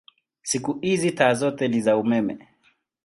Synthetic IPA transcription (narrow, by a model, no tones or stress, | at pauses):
sikuhizitaːzɔtɛlizaumɛmɛ̰